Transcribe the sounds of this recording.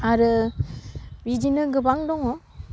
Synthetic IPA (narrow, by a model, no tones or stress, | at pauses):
aɾɯ | bidinɯɡɯbaŋdɔŋɔ